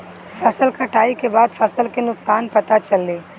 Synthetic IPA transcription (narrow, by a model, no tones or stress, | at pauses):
fʰɐsəlkɐʈaːikebaːd̪fʰɐsəlkenʊksaːnpɐt̪at͡ʃɐlːeː